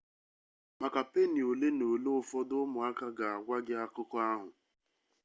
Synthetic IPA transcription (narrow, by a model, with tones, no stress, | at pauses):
ma˨ka˨pe˦ni˨o˨le˦no˨lo˦ʊ˨fɔ˦dʊ˦mʊ˨a˦ka˦ɡa˨a˨ɡʷa˦ɡɪ˦a˦kʊ˦kɔ˦a˦ɦʊ˨